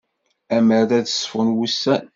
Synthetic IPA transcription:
æməɾðæðəsfʊnwusːæn

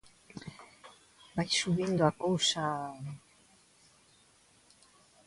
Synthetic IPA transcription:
bajsuβind̪uakousa

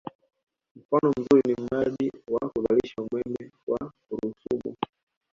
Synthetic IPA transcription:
m̩fanɔm̩zulinim̩ɾaʄiwakuɓaliʃaumwɛmɛwakuɾusṵɓṵ

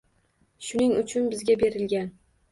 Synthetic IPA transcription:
ʃʊnɪŋʊt͡ʃʰʊnbɪzɡʲabe̞ɾɪlɡʲan

